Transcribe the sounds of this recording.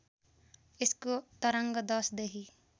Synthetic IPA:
eskot̪ʌɾʌŋɡʌd̪ʌsd̪eɦi

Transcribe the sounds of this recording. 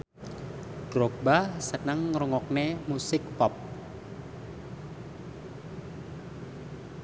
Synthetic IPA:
d̥ɾok̚basənəŋːɾuŋɔk̚nemusɪk̚pɔp̚

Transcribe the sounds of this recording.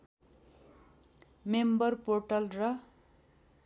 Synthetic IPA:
membʌrporʈʌlrʌ

